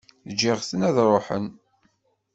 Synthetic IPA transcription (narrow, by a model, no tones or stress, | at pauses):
d͡ʒːiʁθənæðɾˤoħə̰n